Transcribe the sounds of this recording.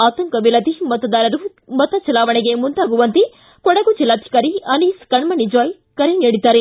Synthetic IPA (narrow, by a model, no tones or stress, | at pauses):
aːt̪ɐŋkɐʋilɐd̪imɐt̪ɐd̪aːɾɐɾu | mɐt̪ɐt͡ʃɐlaːʋɐɳeɡemund̪aːɡuʋɐnt̪i | kɔɽɐɡut͡ʃilːaːt̪ʰi̥kɐɾiɐniːskɐɳmɐnid͡ʒaːj | kɐɾeneːɽit̪aːɾe